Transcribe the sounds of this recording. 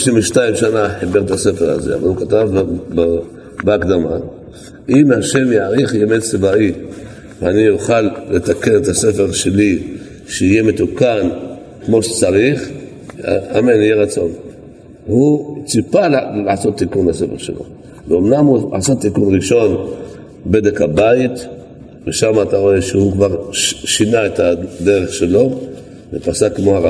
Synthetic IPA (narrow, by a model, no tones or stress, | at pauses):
ʃnimveʃtaimʃanaħibe̞ʁet̪ase̞feʁa̰ze̞̰a̰va̰lukat̪av | beakd̪ama̰ | ʔimhaʃe̞mjaaʁiχjemett͡sivai | veanijuχalːet̪ake̞net̪ase̞fe̞ʁʃe̞li | ʃeije̞met̪ukan | kmo̞ʃet͡saʁiχ | amenijeʁat͡so̞n | hut͡sipallaʕaso̞t̪ːikunase̞fe̞̰ʁʃḛlo̞̰ | leomnamua̰asot̪ːikunʁiʃo̞n | bedekhabait̪ | veʃamaːt̪aʁo̞e̞ʃehukvaʁʃinaet̪ad̪e̞ʁeχʃe̞lo̞ | vepasakemo̞ha